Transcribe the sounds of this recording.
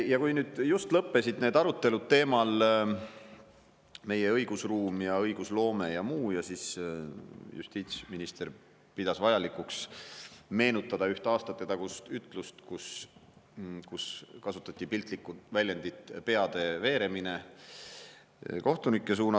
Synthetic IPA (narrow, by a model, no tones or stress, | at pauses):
jɑkujnyːd̪̥just̪lɤpːe̞sid̪ne̞ːd̪ɑɾut̪ːˑe̞lud̪̚t̪e̞ːmɑl | me̞je̞ɤ̞jɡ̥usruːmjɑɤjɡ̥uslo̞ːme̞jɑmuːjɑsis | jṵst̪iːt̪sʲminist̪e̞ɾ | pid̪̥ɑsvɑjɑlikˑuks | me̞ːnut̪ːˑɑd̪ɑyht̪eɑːst̪ɑt̪ːet̪ɑkust̪yt̪ˑlust̪kus | kuskɑsut̪ːˑɑt̪ʲːˑipilt̪ˑlikːˑuvælʲjend̪it̪ˑpe̞ɑd̪̥e̞ve̞ːɾe̞mine̞ | ko̞ht̪unikˑːe̞s̬uːnɑ